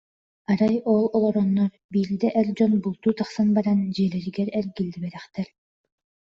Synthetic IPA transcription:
aɾajɔlˠɔlˠɔɾɔnːɔɾ | biːɾd̪ɛʔɛɾd͡ʑɔnbulˠt̪uːt̪aχsanbaɾand͡ʑiɛlɛɾiɡɛɾɛɾɡilʲːibɛɾɛχt̪ɛɾ

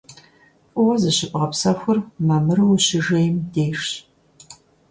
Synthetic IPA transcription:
ʔʷʼʊwɐzɨɕɪpʼʁɐpsɐxʷʊrmamɨrwuɕɪʒejmdeːʂ

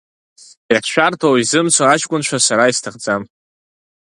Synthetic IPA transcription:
aʃʷᶣartʰowizɨmt͡sʷʰaat͡ʃkʷʼʊnt͡ʃʷʰasaɾaistʰɨχd͡zam

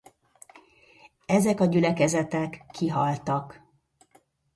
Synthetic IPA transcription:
ɛzɛkɒɟylɛkɛzɛt̪ɛkːiɦɒlt̪ɒk

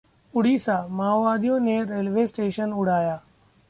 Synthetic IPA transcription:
ʊɽiːsaːmaːʋaːd̪ʱijõːneɾeːlʋeːsʈeːʃənʊɽ̤aːjaː

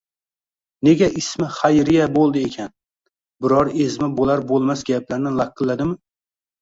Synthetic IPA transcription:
ne̞ɡʲaʔɪsmɪχajɾɪjabolˠd̪ɪekʲʰan | bɪɾɒɾezmɪbolaɾbolˠmasɡʲaplaɾnɪlˠakːɨlːad̪ɪmɪ

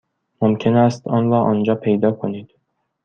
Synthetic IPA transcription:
momcʰe̞næst̪ɒːnɾɒːʔɒːnd͡ʒɒːpʰe̞jd̪ɒːkʰoniːd̪̥

